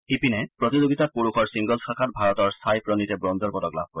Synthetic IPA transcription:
ipinɛpɹɔtizoɡitapuɹuxʰɔɹsiŋɡɔlsakʰat̚bʱaɹɔtɔɹsʰajpɹɔnitɛbɹɔnzɔɹpɔdɔkla̰b̚ʱkoɹɛ

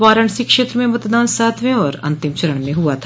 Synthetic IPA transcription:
ʋaːɾəɳ̃sikʃeːt̪ɾəmẽmɐt̪d̪aːnsaːt̪ʰʋẽɔːɾɐ̰̃nt̪ɪmt͡ʃɐɾəɳmẽɦʊat̪ʰ

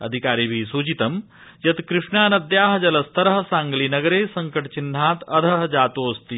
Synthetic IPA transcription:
ɐ̰d̪ʱikaːɾiːbʱiːsuːt͡ʃit̪ɐm | jɐt̪kɾɪʂɳaːnɐd̪jaːɦɐd͡ʒɐlɐst̪ɐɾɦɐsãŋɡliːnɐɡəɾeːsɐŋkəʈt͡ɕin̤ːaːt̪ɐd̪ʱɐɦd͡ʒaːt̪oːɐst̪iː

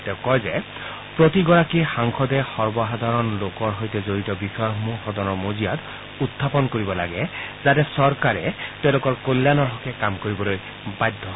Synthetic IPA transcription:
tɛʊkɔjzɛ | pɹotiɡɔɹakixaŋxʰɔdɛxɔɹbɔɦad̪ʱaɹɔnlokɔɹɦojtɛzoɹitɔbixɔjaɦɔmuxɔdɔnɔɹmozijat | utʰːapɔnkoɹibɔla̰ɡɛzatɛsɔɹkaɹɛteʊ̃lokɔɹkolːanɔɹɦɔkɛkamkoɹibɔloj | bajdʱːɔ

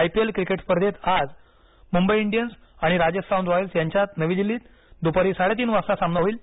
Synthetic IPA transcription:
ajpielkɾikeʈspəɾd̪et̪ad͡z | mumbəiiɳɖijənsaɽ̃iɾad͡ʑesaũnɖʋɔjəlsjaɲt͡ɕjat̪nəʋiːd̪ilːiːt̪ | d̪upaɾiːsaɭet̪̬iːnʋaɾsasamnəɦoiːl

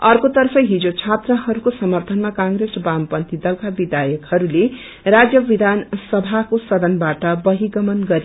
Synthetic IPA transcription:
ʌrkot̪ʌrpʰʌɦid͡zot͡sʰat̪rʌɦʌɾukosʌmʌrt̪ʰʌnmakãŋɡɾesbampʌnt̪id̪ʌlkabid̪ʱajʌkhʌɾule | rad͡zjʌbid̪ʱansʌbʱakosʌd̪ʌnbaʈʌbʌɦiɡʌmʌnɡʌɾi

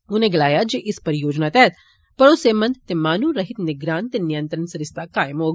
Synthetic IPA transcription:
ʊnẽɡɐlaːjad͡ʒeʔɪspɐɾjoːd͡ʒnat̪ɛɦɛt̪ | pɐɾʊsemɐ̃nd̪t̪emaːnuɾɐɦɪt̪nɪɡɾaːnt̪enɪjə̃nt̪ɾənsɐɾɪst̪akaːjəmɦoːɡ

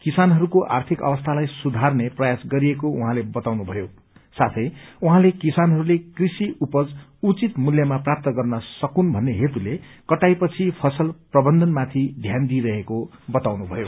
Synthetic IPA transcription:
kisanɦʌɾukoʔa̰rt̪ʰikʌ̰wʌst̪ʰalajsud̪ʱarneprʌjasɡʌɾiekouɦãlebʌt̪awnubʱʌjo | sat̪ʰʌjuɦãlekisanɦʌɾulekrisiupʌd͡zut͡sit̪muljʌmaprap̚t̪ʌɡʌrnʌsʌkunbʱʌnːeɦet̪ulekʌʈajpʌt͡sʰipʰʌsʌlprʌbʌnd̪ʱʌnmat̪ʰid̪ʱjand̪iɾʌɦekobʌt̪awnubʱʌjo

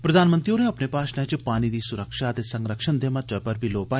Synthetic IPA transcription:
pɾɐd̪ʱaːnmə̃nt̪ɾijõneɐpnepaːʃnɐt͡ʃpaːñiɾiːsʊɾəkʃat̪esɐ̃ŋɡɾəkʃənd̪ʱemat̪əpɐɾbʱiloːpaː

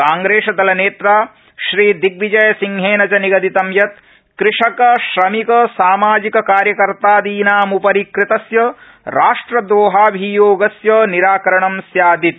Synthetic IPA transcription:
kaːŋɡɾeːʃɐd̪ɐlɐneːt̪ɾaː | ʃɾiːd̪ik̚ʋid͡ʒɐjɐsiŋɦeːnɐt͡ʃɐniɡɐd̪it̪ɐmjɐt̪̚ | kɾɪʂɐkɐʃɾɐmikɐsaːmaːd͡ʒikɐkaːɾjɐkɐɾt̪aːd̪iːnaːmupɐɾikɾɪt̪ɐsjɐ | ɾaːʂʈɾɐd̪ʋoːɦaːbʱijoːɡɐsjɐniɾaːkɐɾɐɳɐmsjaːd̪it̪̚

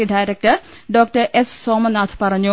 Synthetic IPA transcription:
iɖaːjɾek̚ʈɐr | ɖoːk̚ʈɐrʔessoːmɐnaːt̪ʰpɐrɐɲːu

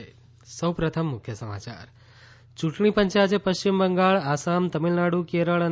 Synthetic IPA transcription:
səwpɾət̪ʰəmːʊkʰjəsəma̰t͡ʃa̰ɾ | t͡ʃũʈɳipəɲt͡ʃat͡ʃʰepəʃt͡ɕimbəŋɡaɭasamt̪əmilnaɽukeɾəɭən

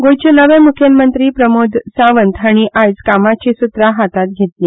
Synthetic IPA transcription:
ɡojt͡ɕenəʋemukʰjənmənt̪ɾiːpɾəmod̪ʱsaʋənt̪ʰaɽ̃iʔajd͡zkamat͡ɕiːsut̪ɾaɦat̪at̪̚ɡʱet̪li

